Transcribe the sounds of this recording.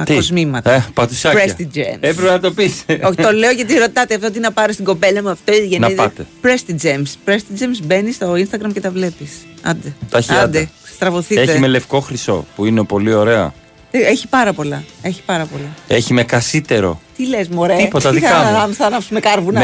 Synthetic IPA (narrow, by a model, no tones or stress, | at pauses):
ɐt̪kozmimɐt̪epɐt̪usɐɾest̪id͡ʒemepɾepenɐt̪o̞pisot̪o̞le̞oʝɐt̪iɾo̞t̪ɐt̪eɐft̪oot̪inɐpɐɾost̪iŋɡo̞pe̞lɐmuɐft̪o̞iðiʝenɐiðpɐt̪epɾest̪id͡ʒemspɾest̪id͡ʒemsbe̞nist̪o̞inst̪ɐɡɾɐmcet̪ɐvle̞pisɐ̰nd̪et̪ɐçiɐd̪est̪ɾɐvo̞θiet̪emele̞fko̞xɾiso̞̰puineopo̞lio̞ɾe̞ɐ̰ | eeçi̥pɐɾɐpo̞lɐe̞çi̥pɐɾɐpo̞lɐeçimekɐsit̪e̞ɾo̞̰t̪ilezmoɾeipot̪ɐðikɐɐmsɐnɐpsumekɐɾvunɐ